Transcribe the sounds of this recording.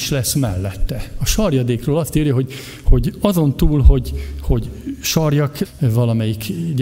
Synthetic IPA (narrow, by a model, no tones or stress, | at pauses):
ʃlɛsmɛ̰lːɛt̪ːɛɒʃɒrjɒd̪eːkroːlɒst̪iːrjɒɦo̞ɟ | ho̞ɟɒzo̞nt̪uːlɦo̞ɟho̞ɟʃɒrjɒkvɒlɒmɛjik